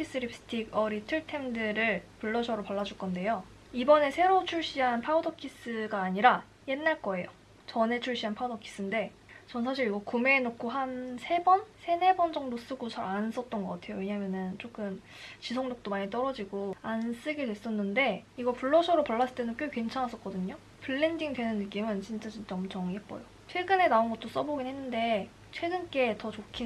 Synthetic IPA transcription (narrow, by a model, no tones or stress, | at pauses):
kʰis͈ɯɾip̚s͈ɯ̥tʰiɡʌɾitʰɯɭtʰe̞mdɯɾɯɭpuɭːʌɕʰʌɾopʌɭːad͡ʑuɭk͈ʌnde̞jo | ibʌne̞sʰe̞ɾot͡ɕʰuɭɕ͈iɦanpʰaudʌkʰis͈ɯɡaːɲiɾa | je̞nːaɭk͈ʌe̞jo | t͡ɕʌne̞t͡ɕʰuɭɕ͈iɦanpʰaudʌkʰi̥s͈ɯnde̞ | t͡ɕʌnsʰaɕ̬ʰiɾiɡʌkume̞ːnokʰoɦansʰe̞bʌnsʰe̞ne̞bʌnd͡ʑʌŋdos͈ɯɡot͡ɕaɾans͈ʌt̚t͈ʌnɡʌk͈atʰe̞joje̞ɲaɦamjʌnɯnt͡ɕ͈ʰok͈ɯnt͡ɕisʰoŋɲok̚t͈omaɲit͈ʌɾʌd͡ʑiɡoans͈ɯɡe̞dwe̞s͈ʌnːɯnde̞iɡʌpuɭːʌsʰʌɾopʌɭːas͈ɯ̥ɭt͈enɯnk͈jokwe̞nt͡ɕʰanɦas͈ʌk͈ʌdɯɲo | pʰɯɭːe̞ndiŋdwe̞nɯnːɯk͈imɯnt͡ɕint͡ɕ͈at͡ɕint͡ɕ͈amt͡ɕʌŋiɦep͈ʌ̰jo | t͡ɕʰeɡɯne̞naonɡʌt̚t͈os͈ʌboɡinɦe̞nːɯnde̞ | t͡ɕʰwe̞ɡɯnk͈e̞tʌt͡ɕokʰi